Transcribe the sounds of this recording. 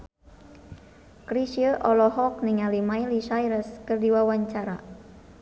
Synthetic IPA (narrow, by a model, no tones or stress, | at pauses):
kɾisiəʔɔlɔhɔk̚niŋalimailiʃajɾəskɨrdiwawaɲt͡ʃaɾa̰